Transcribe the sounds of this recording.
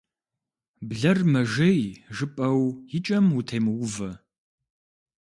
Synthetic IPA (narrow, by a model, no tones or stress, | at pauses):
bɮɐrmɐʒɐjʒɨpʼɐwjɪt͡ʃʼɐmutʰejmɨwʊvɐ